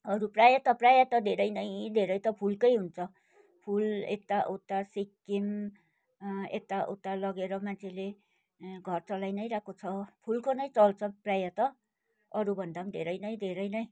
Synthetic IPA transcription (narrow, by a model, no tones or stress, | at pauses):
ʌɾuprajat̪ʌprajat̪ʌd̪ʱeɾʌjnʌjd̪ʱeɾʌjt̪ʌpʰulkʌjɦunt͡sʰʌ | pʰulḛt̪aʔot̪asikːim | ḛt̪aʔo̰t̪alʌɡeɾʌmant͡sʰele | ɡʱʌrt͡sʌlajnʌjɾakʰot͡sʰʌpʰulkonʌjt͡sʌlt͡sʰʌprajat̪ʌ | ʌɾubʱʌnd̪amd̪ʱeɾʌjnʌj̃d̪ʱeɾʌjnʌj